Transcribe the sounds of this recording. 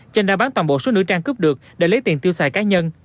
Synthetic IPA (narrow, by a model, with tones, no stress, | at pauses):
t͡ɕɛ˧nɗaː˧˩ɓaː˨˦nt̪waː˨˩nɓo̰˧˨so˨˦nɨ̰˧˥ət͡ɕaː˧ŋkɨ˦˥p̚ɗɨ˨˩ək̚ɗḛ˧˩lə˨˦jt̪ḭ˨˩ənt̪i˧əwsaː˧˩jkaː˨˦ɲə˧n